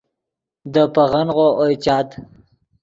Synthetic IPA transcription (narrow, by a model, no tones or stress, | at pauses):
d̪əpaɣanɣoʔojt͡ʃɑːt̪